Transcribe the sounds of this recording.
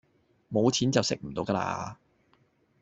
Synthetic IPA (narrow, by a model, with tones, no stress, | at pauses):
mo˨˧wt͡sʰiː˨˥nt͡sɐ˨wsɪ˥k̚m̩˨˩t̪o˨˧wkɐː˧la̰ː˧